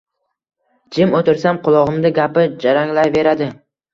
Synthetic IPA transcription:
d͡ʒɪmot̪ɪɾsamqʊlˠɒʁɨmd̪ɪɡʲapɪd͡ʒaɾaŋlajve̞ɾad̪ɪ

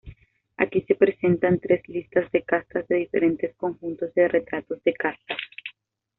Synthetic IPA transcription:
a̰kise̞pɾe̞se̞nt̪ant̪ɾe̞zlist̪azðe̞kast̪azðe̞ðife̞ɾe̞nt̪e̞sko̞ŋxunt̪o̞zðere̞t̪ɾat̪o̞zðe̞kast̪as

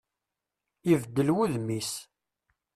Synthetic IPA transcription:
ivd̪ːəlwuðmis

